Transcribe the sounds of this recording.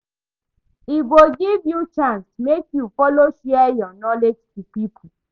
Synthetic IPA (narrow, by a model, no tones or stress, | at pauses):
iboɡivjut͡ʃãnsmekjufɔloʃɛɛjɔnɔled͡ʒtupipʰ